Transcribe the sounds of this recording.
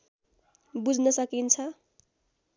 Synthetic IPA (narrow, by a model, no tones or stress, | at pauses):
bud͡znʌsʌkint͡sʰʌ